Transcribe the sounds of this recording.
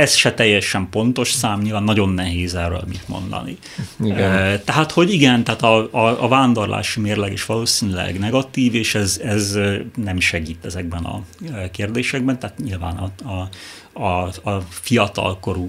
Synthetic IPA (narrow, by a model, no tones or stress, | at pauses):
ɛsʃɛt̪ɛjːɛʃɛmpo̞nt̪o̞ʃsaːmɲilvaːnːɒɟo̞nːɛɦeːzɛːrø̰ːlmit̪mo̞̰nd̪ɒ̰nḭ | t̪ɛɦaːt̪ho̞ɟiɡɛnt̪ɛɦaːt̪ɒɒːvaːnd̪o̞rlʔa̰ːʃimeːrlɛɡeːʃʋɒloːsiːnilɛ̰ɡnɛɡɒt̪iːveːʃɛzɛznɛmʃɛɡiːt̪ɛzɛɡ̚bɛnɒ̰keːrd̪eːʃɛɡ̚bɛnt̪aɦaːt̪ɲilvaːnɒɒ | ɒ | fijɒt̪ɒ̰lko̞ɾu